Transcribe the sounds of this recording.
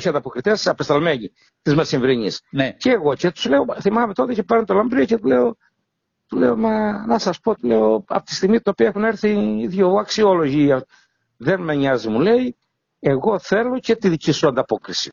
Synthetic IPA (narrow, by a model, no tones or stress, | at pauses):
çiɐnd̪ɐpo̞kɾit̪esɐpest̪ɐlme̞ɲi | t̪izmesiɱvɾiɲisnceːɣo̞cet̪u̥zleoθimɐme̞t̪o̞t̪ece̞peɾunt̪olɐmbɾiocet̪ule̞o̞ | t̪ule̞̰o̞mɐnɐsɐspo̞t̪ule̞oɐ̰pot̪i̥st̪iɣmit̪ino̞piɐexune̞ɾθiːðʝoɐksiolo̞ʝiɐ | ðe̞nmeɲɐzimule̞i | e̞ɣo̞θe̞lo̞ce̞t̪iðicisuɐnd̪ɐpo̞kɾisi̥